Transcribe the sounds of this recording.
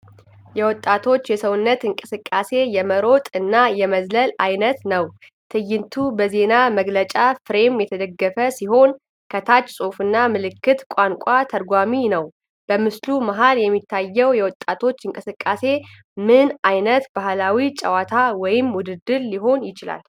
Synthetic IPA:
jɛwɔt̪ʼːat̪ʰo̞t͡ʃːjɛsəwʊnːət̪ɨŋkʼɨsɨkʼːase̞jɛməɾo̞t̪ʼɨnːajɛməzləlajnət̪nəw | t̪ʰɨjːɪnt̪ʰubəze̞naməɡlət͡ʃʼafɾe̞mjɛt̪ʰəd̪əɡːəfəsiɦo̞n | kʰət̪ʰat͡ʃʼːsʼofɨnːamɨlɨkːɨt̪kʷʼaŋkʷʼat̪ʰəɾɡʷaminəw | b̥əmɨslumaɦaljɛmːit̪ʰːajːɛwjɛwɔt̪ʼːat̪ʰo̞t͡ʃːɨŋkʼɨsɨkʼːase̞ | mɨnajnət̪bahlawit͡ʃʼəwat̪ʰawɔjɪmwʊd̪ɨd̪ɨɾːiɦo̞njɪt͡ʃɪla̰l

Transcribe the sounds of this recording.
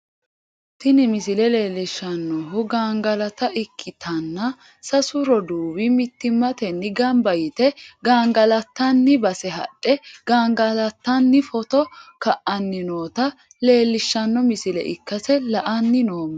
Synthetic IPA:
t̪ɪnɪmɪsɪlɛle̞ːlːɪʃːɐnːɔɦʊɡaːŋɡɐlɐt̪ɐʔɪkʰːɪt̪ʰɐnːɐ | sɐsʊɾɔd̪uːbɪmɪt̪ːɪmːɐt̪ɛnːɪɡɐmbɐjɪt̪ɛɡaːŋɡɐlɐt̪ːɐnːɪbɐsɛɦɐ̰ɗːɛɡaːŋɡɐlɐt̪ːɐnːɪfɔt̪ɔkɐʔɐnːɪnoːt̪ɐ | le̞ːlːɪʃːɐnːɔmɪsɪlɛ̰ʔɪ̰kːɐsɛlɐʔɐnːɪnoːmːɐ

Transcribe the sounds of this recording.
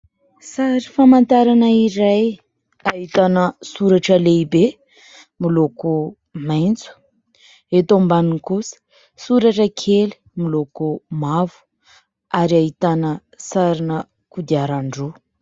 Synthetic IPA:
saɾifamant̪aɾanəiɾaj | aɦit̪anəsuɾaʈ͡ʂəleibe | miloku | majnt͡su̥ | et̪ombaniŋkusə̥ | suɾaʈ͡ʂəkʰeli̥milokumavu̥ | aɾiaɦit̪anə | saɾinə | kud̪iaɾaɳɖ͡ʐo

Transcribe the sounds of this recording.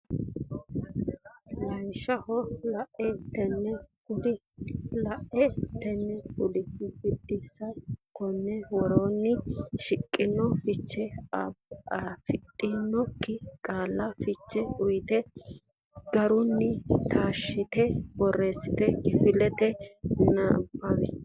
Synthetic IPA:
lɐnʃɐhɔlɐʔɛt̪ːɛnːɛkʊlɪ | lɐʔɛt̪ːɛnːɛkʊlɪɪbɪd̪ːɪsːɐkɔnːɛwɔɾonːɪʃɪkʼːɪnːɔfɪt͡ʃːɛaafɪt̪ʼːɪnːɔkːɪkʼaːlːɐfɪt͡ʃːɛʊjt̪ɛ | ɡ̥ɐɾʊnːɪt̪ʰaːʃːɪt̪ɛbɔrːeːsɪt̪ɛɡɪfɪlɛt̪ɛnɪnɐ̰bːamɛ̰

